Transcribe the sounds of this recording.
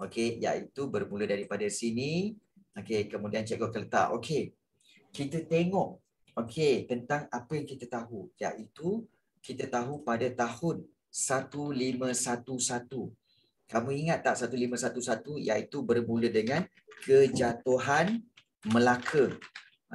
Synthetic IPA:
okeja̰ʔit̪ubərmulədaɾipadasiniokekəmũdiant͡ʃɛɡɔkələt̪a̰ʔo̰kʰe | kit̪ət̪eŋɔʔ | okʰet̪ənt̪aŋapəjaŋkit̪at̪aɦuja̰ʔit̪u | kit̪ət̪aɦupadat̪ahʊn | sat̪ulimə̃sat̪usat̪u | kamũiŋat̪ːaʔsat̪ulimə̃sat̪usat̪uja̰ʔit̪ubərmũlədəŋãn | kəd͡ʒat̪uɦan | məlakʰə

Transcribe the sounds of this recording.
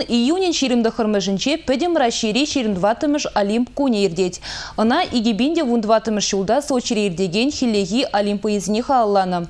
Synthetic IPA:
ijunʲenʃiɾʲɪmd̪ɪχʰəɾməʒɪnʃepɪd̪ʲɪmɾɑʃiɾʲiʃiɾʲɪmd̪vɑt̪əmʲɪʃalʲimpkunʲejeɾd̪ʲet̪ʲənɑʔiɡʲibʲinʲd̪ʲevund̪vɑt̪əmʲɪʃʒ̥ulˠd̪ɑsoʃiɾʲejɪɾd̪ʲeɡʲenxʲilʲːeɣʲijʔalʲimpoizɪneχɑlˠːɑnə

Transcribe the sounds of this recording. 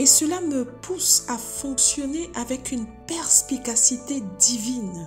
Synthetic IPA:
esəlaməpʰusafɔ̃ksjɔneʔavɛkynpɛʁspikasit̪ed̪ivin

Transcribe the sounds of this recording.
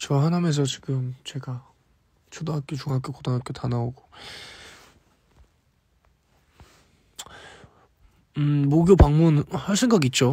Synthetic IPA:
t͡ɕʌɦanames̬ʰʌt͡ɕi̥ɡɯmt͡ɕe̞ɡa | t͡ɕʰodoŋɦak͈et͡ɕuŋɦak͈okodaŋɦak͈otanaoɡo̥ | moɡjopaŋmunhʌɭɕʰinɡʌɡit̚t͡ɕ͈o

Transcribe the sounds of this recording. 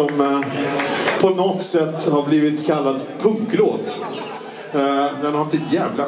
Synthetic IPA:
ɔm | pʰɔnɔt̪sɛt̪ːhaɾbliːvɪt̪kʰalːad̪pʰɵŋkloːt̪ | d̪ɛnnhaft̪ːɪt̪jɛːvla

